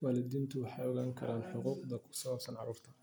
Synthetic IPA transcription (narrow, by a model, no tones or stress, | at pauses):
wɑːlɪd̪iːnt̪ʰʊwɑħɑjɔɣaːŋkʰɐ̰ɾaːnħʊquːqd̪ɐkʰʊ̥sɐβɐbsɐnʕɑɾuːrt̪ʰɐ